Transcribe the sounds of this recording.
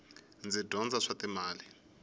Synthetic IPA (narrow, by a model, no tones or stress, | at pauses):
nd͡zid̥ʱɔnd͡zaʂatimaːli